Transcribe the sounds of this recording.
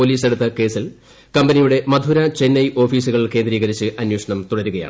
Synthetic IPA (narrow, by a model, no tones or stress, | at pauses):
oliːse̞ɽut̪ːɐke̞ːsil | kɐmbɐnijuɽe̞mɐd̪ʱuɾɐt͡ɕenːɐjʔo̞ːfiːsuɣɐɭilke̞ːnd̪ɾiːɣɐɾit͡ɕːɨʔɐnjoːʂɐɳɐmt̪uɽɐɾuɣɐja̰ːɳɨ